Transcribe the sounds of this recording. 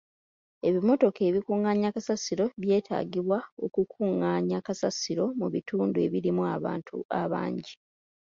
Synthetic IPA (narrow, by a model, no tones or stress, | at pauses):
e̞βimo̞to̞ke̞ːβikuːŋaːɲakasasiɾo̞βje̞ːtʰa̰ːɡiβwao̞kukʰuːŋaːɲakasasiɾo̞muβituːndue̞̰βiɾimuaβa̰ːntʰṵaβa̰ːɲɟi